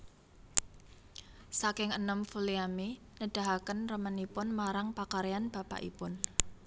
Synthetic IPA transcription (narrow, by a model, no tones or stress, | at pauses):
sakɪŋənəmfuliami | nəɖ̥a̤ɦakənrəmənipʊnmaɾaŋpakaɾeanb̥a̤pa̰ʔḭpʊn